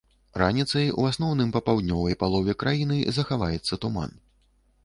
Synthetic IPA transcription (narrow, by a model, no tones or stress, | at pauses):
ɾanʲit̪sɐjṵasnɔwnɨmpɐpawd̪ʲnʲɔvɐjpalˠɔvʲɛkɾajinɨzɐxavajɛt̪sːɐt̪uma̰n